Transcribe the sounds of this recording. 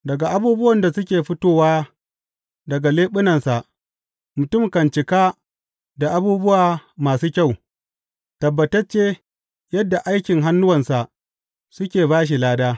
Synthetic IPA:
dɐ˨ɡa˨ʔa˦buː˦bʊ˦wɐ˨nda˨sʊ˦kʲeː˨ɸʊ˦toː˦waː˦ | dɐ˨ɡa˨leː˦ɓʊ˦nɐ˨nsa˨ʔ | mʊ˨tʊ˦˨mkɐ˨nt͡ʃɪ˨kaː˦ | da˨ʔa˦buː˦bʊ˦waː˨maː˨suː˦kʲa˦˨w | tɐ˨bːɐ˨tɐ˦rt͡ʃeː˦ | jɐ˦dːa˨ʔa˦jkʲɪ˨ŋɦa˦nːʊ˦wɐ˨nsa˨ʔ | sʊ˦kʲeː˨baː˦ʃ̬i˨laː˦daː˦

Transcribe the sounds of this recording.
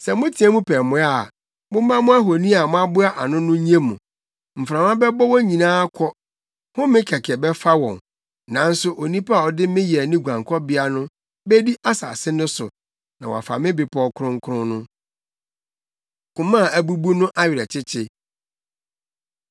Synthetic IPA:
sɛ˨mʊ̃˦tʰĩ˨˦ɛ̃˦mũ˦pʰɛː˨mʊ̃˨˦a˦˨ | mʊ̃˦m˦mã˦mʊ̃˦a˦ɦo˨nĩ˦a˨mʊ̃˦a˦bʊ˦a˦ʔa˨nʊ̃˦nʊ̃˦ɲ˦ẽ˦mũ˨ | m̩˨fɾã˨mã˦bɛ˦bɔ˦wɔ˦ɲĩ˨nãː˦kʰɔ˦ | hʊ̃˦mɪ̃˦kʰɛ˨kʰɛ˨bɛ˦fa˦wɔ̰̃˨n | nã˨˦n̩˦sʊ˦ʔo˨nĩ˦pa˦a˨ɔ˨dɪ˦mɪ̃˦jɛ˨nɪ̃˦ɡʷã˨ŋ˨kʰɔ˦bɪ˦a˦nʊ̃˦ | bɛ˦di˦ʔa˦sa̰ː˨sɪ˦nʊ̃˦sʊ̰˨ | nã̰˨wɔ̰˨a˨fa̰˨mɪ̃˦bɪ˨pʰɔ˨˦kʰɾʊ̃˦ŋ˦kʰɾʊ̃˦nʊ̰̃˦ | kʊ̃˨mã˦˨æ˨bu˦bu˦nʊ̃˦ʔa˦ɥɪ˨ɾɛ˨t͡ɕʰɪ˦t͡ɕʰɪ˦

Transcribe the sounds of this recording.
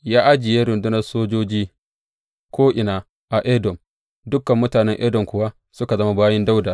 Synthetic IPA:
jaː˦ʔa˦d͡ʒɪ˨je˦ɾʊ˨ndʊ˦nɐ˦rsoː˦d͡ʒoː˦d͡ʒiː˦ | kʷoː˦ʔɪ˨naː˨ | ʔa˨ʔɛ˦dɔ˨m | dʊ˦kːɐ˨mːʊ˦taː˨nɛ˦ŋʔɛ˦dɔ˨ŋkʷʊ˦wa˦ | sʊ˦ka˨zɐ˦ma˦baː˦jɐ˦nda˦wdaː˨

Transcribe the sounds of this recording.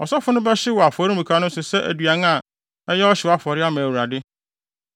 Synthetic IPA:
ɔ˨sɔ˦fʊ˦nʊ̃˦bɛ˦ɕɪ˦wɔ˨a˨fɔ˨ɾi˦mũ˨kʰa˦nʊ̃˦sʊ˨sɛ˦ʔæ̰˨dɥa˨n˦a˨ | ɛ˦jɛ˦ɔ˦ɕɪ˨wa˦fɔ˨ɾɪ˦a˦mã˨æ˨wu˨ɾa˨dɪ˦

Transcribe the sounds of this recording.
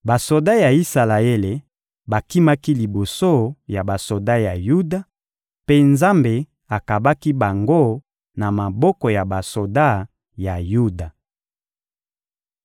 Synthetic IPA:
ba˨so˨da˦ja˨i˦sa˨la˨e˦le˨ | ba˨ki˦ma˦ki˦li˨bo˨so˦ja˨ba˨so˨da˦ja˨ju˦da˨ | pe˦nza˦mbe˨ | a˨ka˨ba˦ki˦ba˨ŋɡo˦ | na˨ma˨bɔ˦kɔ˨ja˨ba˨so˨da˦˨ | ja˨ju˦da˨

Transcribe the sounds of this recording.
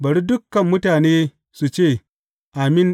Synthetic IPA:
bɐ˨ɾi˦dʊ˦kːɐ˨mːʊ˦taː˨neː˦ | su˨t͡ʃeː˦˨ | ʔa˨mɪ˦n

